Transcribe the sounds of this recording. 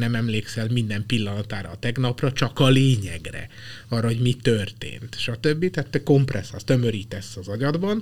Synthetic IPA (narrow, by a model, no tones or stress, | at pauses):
nɛmɛmleːksɛlmind̪ɛmpilːɒnɒt̪aːɾɒ̰ːt̪ɛɡnɒprɒt͡ʃɒkɒleːɲɛɡrɛ̰ | ɒːrːɒɦo̞ɟmit̪ørt̪ḛːnt̪ʃɒt̪ø̞bːit̪aːt̪ːøko̞mprɛsɒ̰st̪ø̞mø̞ɾiːt̪ɛsːɒzɒɟɒd̪bɒn